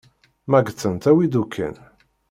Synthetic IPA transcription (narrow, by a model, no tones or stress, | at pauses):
mæɡt͡sːənt̪æwid̪ukʰːə̰n